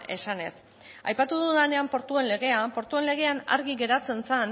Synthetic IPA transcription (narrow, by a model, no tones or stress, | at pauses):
ʔe̞sane̞s | a̰jpat̪uð̞uðane̞ampo̞ɾt̪ue̞nle̞ɣ̞e̞apo̞ɾt̪ue̞nle̞ɣ̞e̞ana̰ɾɣiɣe̞ɾat͡se̞nsan